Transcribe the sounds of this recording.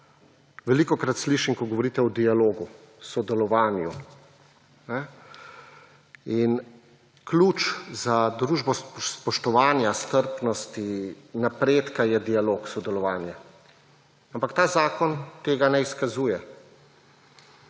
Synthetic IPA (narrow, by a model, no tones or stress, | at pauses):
ʋɛliːkɔkɾat̪sliːʃimkɔɡɔʋɔɾiːt̪ɛɔd̪ialoːɡu | sɔd̪ɛlɔʋaːnju | nɛ | in | kluːt͡ʃzad̪ɾuːʒbɔsspɔʃt̪ɔʋaːnjast̪əɾpnɔst̪i | napɾeːt̪kajɛd̪ialoːksɔd̪ɛlɔʋaːnja | ampakt̪aːzaːkɔnt̪eːɡanɛiskazuːjɛ